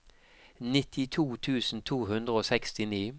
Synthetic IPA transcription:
nɪt̪ʰɪt̪ʰuːt̪ʰʉːsn̩t̪ʰuːhʉnd̪ʁəoːsɛkst̪ɪniː

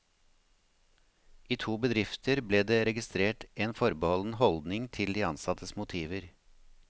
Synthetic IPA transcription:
iːt̪ʰuːbəd̪ɾɪft̪əɾbleːd̪eːɾɛɡɪst̪ɾeːʈʔeːnfɔɾbəhɔln̩əhɔld̪nɪŋt̪ʰɪld̪iːɑnsɑt̪əsmʊt̪ʰiːʋəɾ

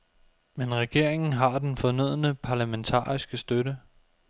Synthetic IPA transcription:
menʁɛɡ̥e̝ɐ̰e̝ŋn̩ɦɑ̈d̥enfɒ̽nøð̰ˠənəpʰɑ̈ːlæment͡sʰɑ̰̈ːisɡ̥əsd̥ødə

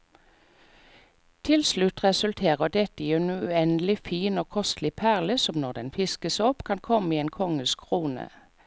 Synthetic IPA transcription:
t̪ʰɪlslʉt̪ʁɛsʉlt̪ʰeːʁəd̪ɛt̪əienʉʉɛnəlɪfiːnoːkʰɔst̪lɪpʰæʁləsɔmnɔʁd̪ɛnfɪskəsɔpkʰɑnkʰɔməiːeːnkʰɔŋəlskʰʁuːnə̰

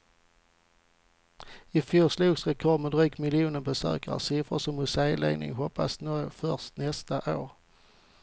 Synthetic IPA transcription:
ɪfjuːʂluːɡsɾɛkʰɔmɛd̪ɾyːkmɪljuːnənbəsø̰ːkə̰ɾʂɪfɾəʂɔmhɵseːəlɛ̰ːɡnɪ̰ŋɦɔpːa̰snɔjfœʁʂt̪nɛst̪aʔoːɾ

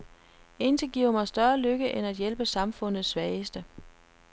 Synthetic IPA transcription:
e̝nt͡sʰeɡ̥iʊ̰ɐmɑ̈ɪsd̥ɶːɐløɡ̥əʔenæd̥jelb̥əsɑ̈mfɔ̽n̰ð̩ˠsːʋɛːɪsd̥ə

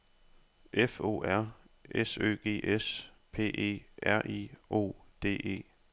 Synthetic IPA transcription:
ʔefo̝̰ːæɐ̰ | esø̰ːɡ̥e̝̰ːʔes | pʰe̝̰ːʔe̝̰ːʔæɐ̰ʔiʔo̝̰ːd̥e̝̰ːe̝̰ː

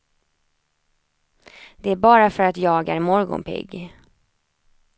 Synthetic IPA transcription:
d̪̥ɛæɾbɑːɾafœɾat̪jɑːɡæ̰ɾmɔɾɡʊ̰npʰɪ̰ɡː

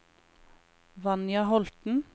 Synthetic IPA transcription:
ʋɑnjɑhɔlt̪n̩

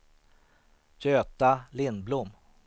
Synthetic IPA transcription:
jøːt̪alɪnːblʊmː

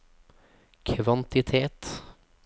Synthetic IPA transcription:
kʰʋɑnt̪ɪt̪ʰeːt̪

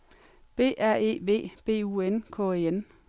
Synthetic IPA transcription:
b̥e̝̰ːʔæɐ̰e̝̰ːʋe̝̰ːb̥e̝̰ːuːenkʰɔ̰een

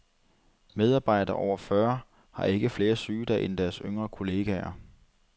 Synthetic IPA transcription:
með̞ˠɑ̈ːb̥ɑ̈ɪ̰d̥ɐʔɒʊ̰ɐfɶɐ | hɑ̈ʔe̝ɡ̥əfle̝ːɐsyːd̥æʔend̥æɐsøŋ̰ʁɐkʰo̝le̝ːɡ̥ɛɐ

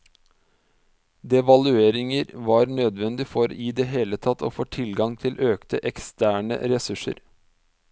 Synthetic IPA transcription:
d̪ɛʋɑlʉeːɾɪŋəɾʋɑːɾnøːd̪ʋɛnd̪ɪfɔɾɪd̪eːɦeːlət̪ʰɑt̪ʰːo̰ːfoːʈ̪ʰɪlɡɑŋt̪ʰɪlʔøːkt̪əʔɛkst̪æːɳə̰ɾɛsʉʂə̰ɾ

